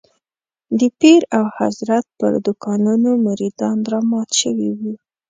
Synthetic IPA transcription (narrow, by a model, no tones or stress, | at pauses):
d̪əpiɾawha̰zɾat̪̚pə̰ɾd̪ʊkɑnunomaɾid̪ɑnd̪ɾɑmɑt̪ʃəwiwi